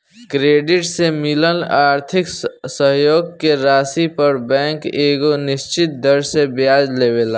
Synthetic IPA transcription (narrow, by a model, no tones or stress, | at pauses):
kɾeːɖɪʈsemɪləlaːɾt̪ʰɪksəɦjoːɡkeɾaːsipəɾbɛ̃ːŋkeːɡonɪʃt͡ʃɪt̪̚d̪əɾsebjaːd͡ʒleːʋeːlaː